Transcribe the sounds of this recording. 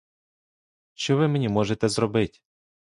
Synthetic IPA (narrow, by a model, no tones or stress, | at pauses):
ʃt͡ʃɔʋɪmenʲimɔʒet̪ɛzɾɔbɪtʲ